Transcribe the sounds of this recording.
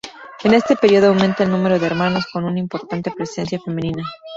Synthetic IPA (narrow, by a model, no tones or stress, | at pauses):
e̞ne̞st̪e̞pe̞ɾjio̞ð̞o̞awment̪aelnũme̞ɾo̞ðeɾmano̞sko̞nunaimpo̞ɾt̪ant̪e̞pɾe̞se̞nsjafe̞mẽnĩna